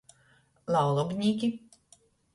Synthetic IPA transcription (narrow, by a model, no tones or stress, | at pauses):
lˠawlˠɔbʲnʲiːkʲi